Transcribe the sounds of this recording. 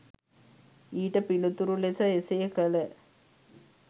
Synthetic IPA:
iːʈəpilut̪uɾulesəesejəkələ

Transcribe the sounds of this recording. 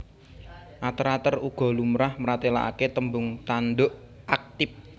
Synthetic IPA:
ʔat̪əɾat̪əruɡ̥ɔ̤lumɾahməɾat̪ela̰ʔa̰ket̪əmbʊŋt̪anɖoʔ | ʔak̚t̪ɪp̚

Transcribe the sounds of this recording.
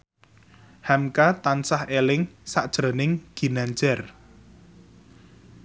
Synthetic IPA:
hamkat̪ansahelɪŋsaʔd̥ʒ̥ɾənɪŋɡ̥i̤naɲd͡ʒɛr

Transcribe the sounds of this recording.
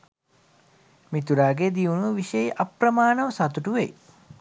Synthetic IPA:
mit̪uɾaːɡed̪iunuʋiʃejʔɐpɾɐmaːnəʋəsɐt̪uʈuʋḛj

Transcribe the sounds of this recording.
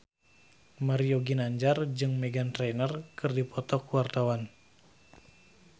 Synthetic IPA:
maɾioɡinaɲd͡ʒard͡ʒɨŋmɛɡant̪ɾenərkɨrdipɔt̪ɔkuwart̪awan

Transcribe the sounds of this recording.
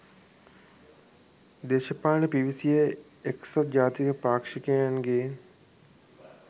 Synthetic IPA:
d̪eːʃɐpaːɳepiʋisije | eksot̪d͡ʒaːt̪ikəpaːkʂikeaŋɡen

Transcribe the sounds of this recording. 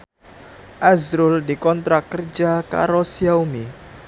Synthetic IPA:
ʔazɾʊldikɔnt̪ɾakːərd͡ʒaka̰ɾosiaumi

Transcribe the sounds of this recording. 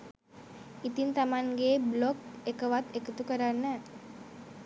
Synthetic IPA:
it̪int̪amaŋɡeːblokekəʋat̪ekət̪ukəɾanːɛ

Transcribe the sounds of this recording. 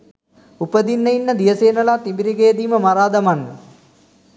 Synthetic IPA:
upəd̪inːɐinːəd̪iʋəseːnɐlaːt̪nibiɾiɡejəd̪iːməmaɾaːd̪ɐmanːə

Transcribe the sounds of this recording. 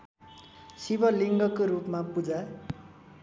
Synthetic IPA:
sibʌliŋɡʌkoɾupmapud͡za

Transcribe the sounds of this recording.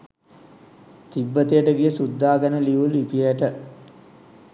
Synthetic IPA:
t̪ibːət̪ijəʈəɡijəsud̪ːaːɡənəliʋulipiəʈə

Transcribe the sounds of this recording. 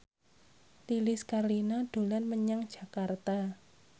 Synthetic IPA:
t̪ilɪskarlinaɖ̥o̤lanməɲaŋd̥ʒ̥a̤kart̪a

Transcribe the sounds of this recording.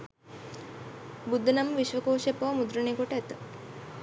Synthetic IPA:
bud̪ʱːənaməʋiʃʋəkoːʃepɐʋamud̪ɾəneːkoʈəæt̪ə

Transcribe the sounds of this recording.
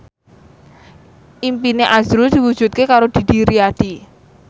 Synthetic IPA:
ʔimpineʔazɾud̪̥iwu̥ʒ̥ṳt̪̚kekaɾod̪̥i̤d̥̪iɾiad̪̥i

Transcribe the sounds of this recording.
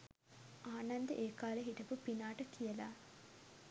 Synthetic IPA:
aːnɐnd̪əʔeːkaːləɦiʈɐpupinaːʈɐkʰijɐlaː

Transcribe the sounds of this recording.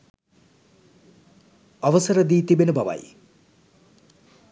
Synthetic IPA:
aʋəsəɾəd̪iːt̪ibenəbaʋa̰j

